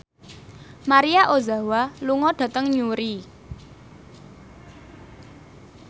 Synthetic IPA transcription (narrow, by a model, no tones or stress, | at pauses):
maɾiaʔozawaluŋɔɖ̥ä̤t̪əŋɲuɾi